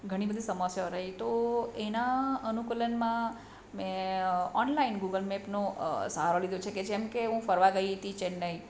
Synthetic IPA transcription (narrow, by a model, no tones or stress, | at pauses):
ɡʱəɽ̃ibəd̪ʱisəməsjaɾəɦit̪oenaənukələnmã | mẽɔnlainɡuɡəlmepnosaɦaɾolid̪jõt͡ʃʰeked͡ʒemkeũfəɾʋaɡəit̪ĩt͡ʃenəɦi